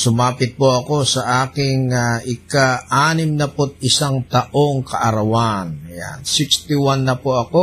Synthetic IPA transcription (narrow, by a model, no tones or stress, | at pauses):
sumapɪt̪̚poakosaʔakɪŋaikaanimnapɔt̪̚isaŋt̪aʔɔŋkaʔaɾawanja̰nsikst̪iwanːapoako